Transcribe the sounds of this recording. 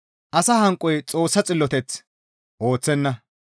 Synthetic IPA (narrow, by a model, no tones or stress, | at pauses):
ʔɐsɐhɐŋkʼːɔjt͡sʼo̞ːsːɐt͡sʼɪlːɔt̪ɛt͡s | ʔo̞ːt͡sːɛnːɐ